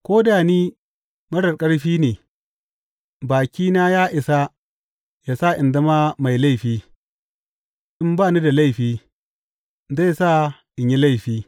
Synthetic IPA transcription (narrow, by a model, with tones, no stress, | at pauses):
kʷoː˦daː˨niː˦ | mɐ˦ɽɐ˨kʼɐ˦ɽɸiː˦neː˨ | baː˨kʲiː˦naː˦jaː˦ʔɪ˨sa˦ | ja˨sa˦˨ʔɪ˨nda˦ma˦ma˨jla˦jɸiː˦ | ʔɪ˦mbaː˦˨ni˦da˨la˦˨jɸiː˦ | za˦˨jsa˦ʔɪ˨ɲji˦la˦˨jɸiː˦